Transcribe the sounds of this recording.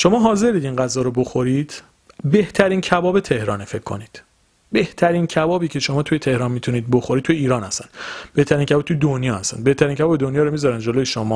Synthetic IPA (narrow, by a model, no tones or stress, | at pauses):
ʃo̞mɒːɦɒːze̞ɾiːd̪inɢæzɒːɾoboxo̞ɾiːd̪̥ | be̞ht̪ʰæɾiːncʰæbɒːbe̞t̪ʰe̞hɾɒːnefe̞kʰːo̞̰niːd̪̥ | be̞ht̪ʰæɾiːncʰæbɒːbiːcʰe̞ʃo̞mɒːt̪ʰujet̪ʰe̞hɾɒːnmit̪ʰuniːd̪̚boxoɾiːt̚t̪ʰujeiːɾɒːnæst̪ænb̥e̞ht̪ʰæɾiːnkʰʲæbɒːb̚t̪ʰujed̪onjɒːhæst̪æ̰nbe̞ht̪ʰæɾincʰæbɒːbed̪onjɒːɾomizɒɾænd͡ʒo̞lojeʃomɒː